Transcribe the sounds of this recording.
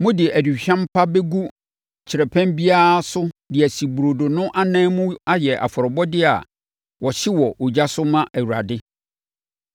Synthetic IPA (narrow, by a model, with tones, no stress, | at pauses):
mʊ̃˦dɪ˨æ˨di˨ɕᶣã˦m˦pʰa˦be˦ɡu˦ | t͡ɕʰɪ˨ɾɛ˨pʰɛ̃˦mbi˦a˦sʊ˦dɪ˨æ˨si˨bu˨ɾo˨do˨nʊ̃˦ʔa˦nɛ̃ː˦mʊ̃˦a˦jɛ˨ʔa̰˨fɔ˨ɾɔ˨bɔ˦dɪ˦a̰˨ | wɔ˨ɕɪ˦wɔ˨ʔʊ˨d͡ʑa˦sʊ˦mã˦ʔæ˨wu˨ɾa̰˨dɪ˦